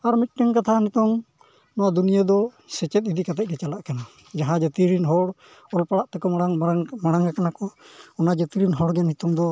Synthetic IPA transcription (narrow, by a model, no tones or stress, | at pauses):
aɾmit̪̚ˀʈəŋkat̪ʰanɛt̪ɔŋ | nɔwad̪unijad̪ɔ | sɛt͡ʃɛt̪̚id̪ikat̪ɛc̚kɛt͡ʃalaʔkana | d͡ʒaɦãd͡ʒət̪iɾinɦɔɽ | ɔlpaɽaʔt̪ɛkɔaŋmaɽaŋakanakɔɔnad͡ʒət̪iɾinɦɔɽɡɛnhit̪ɔŋd̪ɔ